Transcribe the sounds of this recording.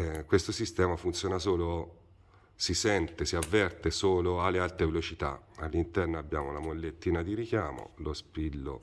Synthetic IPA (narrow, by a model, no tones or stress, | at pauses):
kwest̪osist̪ɛːmafunt̪sjoːnasoːlo | sisɛnt̪esiavːɛrt̪esoːloalːealt̪ɾevelot͡ʃit̪a̰alːint̪ɛrnoabːjaːmolamolːet̪ːiːnad̪iɾikjaːmo̰lospilːo̰